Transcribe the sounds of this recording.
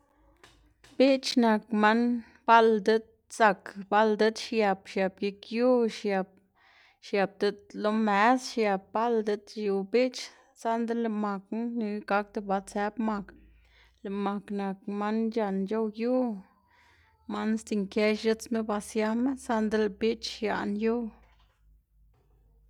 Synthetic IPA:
b̥i˦t͡ʃna˨kma˦n | ba˦ld̪e˦d̪̚ | sa˧kba˦ld̪e˦d̪ʃja˨bʃja˨bje˧kju˦ʃja˧p̚ | ʃja˨b̚d̪e˧˦d̪lo˦me˨˦sʃja˨b̚ba˦ld̪e˧d̪ʃu˨bi˦t͡ʃ | sa˦nd̪e˦le˧ma˨kni˧˦ɡa˧˦k̚d̪e˧ba˧t͡se˧˦bma˧k | le˨ma˨kna˨k̚ma˦nd͡ʒa˧˨nd͡ʒo˦wju˦ | ma˦n˦st̪i˧˨ŋke˧ʃʒɨ˦t͡sme˦ba˧sja˧˦me˦sa˦nd̪e˦lbi˦t͡ʃʃja̰˨ʔnju˦

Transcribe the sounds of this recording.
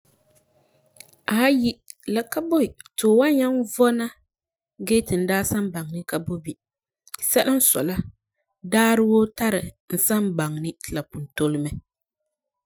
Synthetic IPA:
a˨˦ji˦la˨ka˦bo˦˨toː˨wa˦ɲa˦nvɔ˦na˦ | ɡe˦tɨ˨n̩˨daː˦sa˦mba˨ŋnɨ˦ka˨bo˦bi˨ | sa˦la˦n̩˦sɔ̰˨la˦ | daː˦ɾɨ˦wo˦ta˦ɾɨ˨ | n̩˨sa˦mba˨ŋnɨ˦˨la˨pu˨n˨to˦lɨ˦mɛ˨

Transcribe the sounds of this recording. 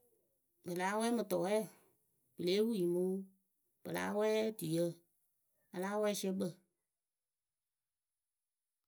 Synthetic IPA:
bə˨laː˨˦wɛ˦mɨ̃˨tɔ˨ɛ˦˨ | b̥ə˨leː˨˦wu˦i˨mũ˦ | b̥ə˨la̰ː˨˦wɛ˦dɨ˨jə˦˨ | a˧laː˦wɛ˦si˦ə˦ɓə˦˨

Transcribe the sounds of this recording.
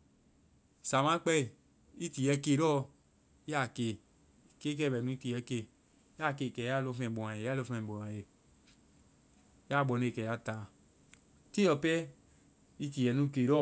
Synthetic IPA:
sa˨mã˦k͡pɛ˦˨ | i˦ti˨jɛ˧˦ke˧˨ɾɔ˦ | a˦˨ke˨ | ke˦k̬ɛ˦˨bɛ˨nũ˦i˦ti˧˨jɛ˧˦ke˧˦ | a˦˨ke˧˨kɛ˨ja˦˨lo˧fɛ̃˨bo˨ã˨je˨ja˦lo˧fɛ̃˨o˨ã˨je˨ | ja˦˨ɡ͡bɔ˧ne˦˨e˨kɛ˨ja˦ta˨ | ti˦ɔ˧pɛ˦ | i˦ti˨jɛ˨nũ˦˧ke˨ɾɔ˦

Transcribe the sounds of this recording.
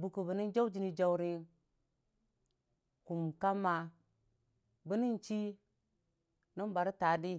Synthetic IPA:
bu˨ku˨bə˨ni˦nd͡ʒa˦u˦d͡ʒi˨˦ni˦d͡ʒa˦wu˦ɾi˦ | ku˨mka˦mːa˨ | bi˦ni˦nt͡ʃi˦ | ni˦nba˨ɾi˦ta˨di˦

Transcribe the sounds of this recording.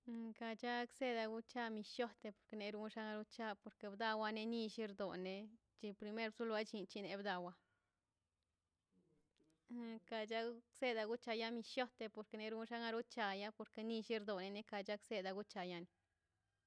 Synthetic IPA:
ka˧t͡ʃa˦kse˦d̪a˧ɡu˦t͡ʃa˦mi˧ʃjo˦t̪e˧po˨ɾke˧ne˧ɾu˦ʃa˦ŋa˧ɾu˦t͡ʃa˦po˧ɾke˧bd̪a˧wa˧ne˧ni˧ʃi˦ɾd̪o˨ne˧ | t͡ʃi˧pɾi˧me˦ɾbsu˦la˦t͡ʃi˧nt͡ʃi˧ne˧bd̪a˧wa˧ | ka˧t͡ʃa˦kse˦d̪a˧ɡu˦t͡ʃa˧ja˦mi˧ʃjo˦t̪e˧po˧˨ɾke˧ne˧ɾu˦ʃa˦ŋa˧ɾu˦t͡ʃa˧ja˦po˨ɾke˧ni˦˧ʃi˦ɾd̪o˨ne˧ne˦ka˧t͡ʃa˦kse˦d̪a˧ɡu˦t͡ʃa˨ja˧ni˨

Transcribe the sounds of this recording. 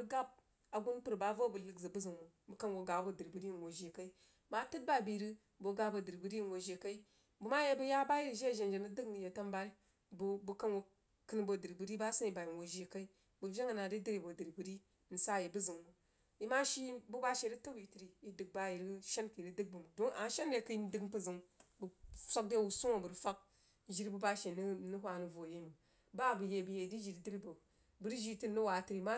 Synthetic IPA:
bu˦ɡa˦b̚ | a˨ɡu˦n˦pɨ˦ɾba˦vo˦bu˨lɨ˨ɡzɨ˨bu˦zɨ˨ŋmu˨ | bu˨ka˦nwo˨ɡa˨˦bo˦dɨ˨ɾbu˨ɾi˦˨n˨wo˨ʒe˨ka˦i˦ | ma˦tɨ˦t̚ba˦bi˨ɾi˦ | bo˨ɡa˦bo˨dɨ˨ɾbɨ˨ɾi˦˨wo˨ʒe˨ka˦i˦ | bu˨ma˦je˦bu˦ja˦ba˦ji˦ɾi˨ʒe˦˨ʒe˨nd͡ʒe˨nɨ˦dɨ˦kni˨je˨ta˦mba˦i˦ | bbu˨ka˦nwo˨ | kɨ˦n˦bo˨dɨ˨ɾbu˨ɾi˦ba˦sɨ˦ni˨ba˨ji˨nwo˨ʒe˨ka˦i˦ | bu˨vʲe˦ŋə˨na˨di˦di˦ɾi˨bo˨di˨ɾbu˨ɾi˦ | n̩˨sa˦je˨bu˦zɨ˨ŋmu˨ | i˦ma˦ʃi˦bu˦ba˦ʃe˨ɾi˦to˦wi˨ti˨ɾi˨i˨dɨ˨k̚ba˦ji˨ɾi˦ʃe˦nki˨ɾi˦dɨ˦ɡ̚bu˨m˨do˦a˨˦ʃe˦nɾe˨ki˦n˦dɨ˦ɡbu˦zɨ˨ŋbu˨sʷa˦k̚de˦wu˨su˦ŋo˨bu˨ɾfa˦k̚ | ʒi˨ɾbu˦ba˦ʃe˨n˦nu˦ɦʷa˨nu˨vo˨je˦mu˨ | ba˦˨bɨ˨je˨bu˨je˨di˦ʒi˨ɾi˨˦di˦ɾi˦bo˨ | bu˨ɾi˦ʒi˦˨ti˦nu˦wa˨ti˨ɾi˨ma˦

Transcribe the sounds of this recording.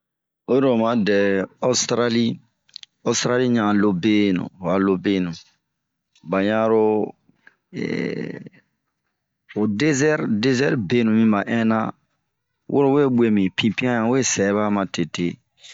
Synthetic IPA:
o˦ɾo˨mã˦dɛ˨o˦stɾa˦li˦ | o˦stɾa˦li˦ɲã˨lo˦be˦nṵ̃˨a˨lo˦be˦nũ˨ | ba˨ɲã˦ɾo˦ | ɛ̰ | o˨de˦zɛ˦ɾde˦zɛ˦ɾbe˦nũ˨mĩ˦ba˨ʔɛ̃˦nã˦ | wʔo̰˦ɾo˦˨we˦bwe˦mĩ˨pʰĩ˨pĩ˦ã˦ɲã˨˦we˦sɛ˨˦βa˦mã˨te˨te˦

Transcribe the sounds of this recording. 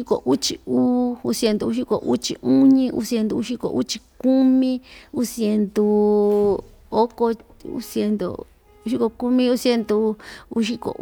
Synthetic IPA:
i˧ko̰˨ʔu˦t͡ʃi˧uː˦u˧sje˧nd̪u˧u˧ʃi˦˧ko˨ʔu˦t͡ʃḭ˧u˦ɲĩ˧ʔṵ˧sje˧nd̪u˧u˧ʃi˦ko̰˨ʔṵ˦t͡ʃi˧ku˦mĩ˦u˦sje˧nd̪u˧ | o˦ko˧ | ṵ˦sje˧nd̪o̰˧ | u˧ʃi˦ko˧ku˦mĩ˦u˦sje˧nd̪u˧u˧ʃi˦ko̰˨

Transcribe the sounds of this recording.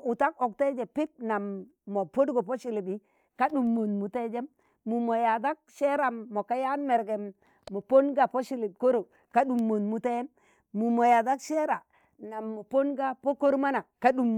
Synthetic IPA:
u˨ta˦ko˨k̚te˦d͡ʒe˨pi˦p̚na˨mː | o˨po˦dɡo˨po˦ʃi˨li˨bi˨˦ | ka˦ɗu˨mːo˨nmu˨te˦d͡ʒe˦mː | u˨mo˨ja˨da˦k̚ʃe˦ɾa˨mːo˨ka˦ja˦nme˨ɾɡe˨mː | o˨po˦nɡa˨po˦ʃi˦li˨b̚ko˦ɾo˨ | ka˦ɗu˨mːo˨nmu˨te˦m | mu˨mo˨ja˨da˦kʃe˦ɾa˨ | na˨mːo˨po˦nɡa˦po˦ko˦ɾma˦na˨ka˦ɗu˨m

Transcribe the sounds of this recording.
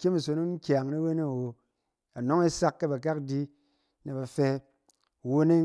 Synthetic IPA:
kʲe˦mi˨so˧no˦n̩˦kʲa˨ŋne˦we˦ne˦˨wo˨ | a˨no˦ŋe˦sa˦kːe˦ba˨k̬a˦kdi˦ | ne˨ba˨fe˧˨ | wo˦ne˦

